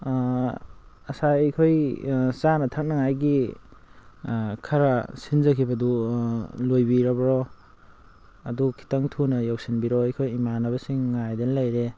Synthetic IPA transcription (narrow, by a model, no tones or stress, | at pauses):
ɐsajejkʰojsanɐtʰak̚nɐŋajɡi | kʰaɾasinzɐkʰibɐdu | lojbiɾɐbɐɾɔ | ɐdukʰi̥taŋtʰunɐjaw̚sinbiɾɔajkʰojimanɐbɐsiŋːajdenlajɾe